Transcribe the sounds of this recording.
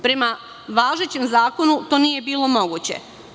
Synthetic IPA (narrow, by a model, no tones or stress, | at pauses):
pɾe̞ma | ʋaːʒet͡ɕe̞mzaːko̞nut̪o̞ːnije̞biːlˠo̞mo̞ɡuːt͡ɕe̞̰